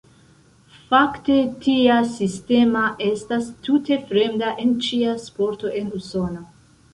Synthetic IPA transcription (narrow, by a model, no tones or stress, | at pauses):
fakte̞tiasiste̞maʔe̞stastute̞fɾe̞mdaʔe̞nt͡ʃiaspo̞ɾto̞ʔe̞nuso̞no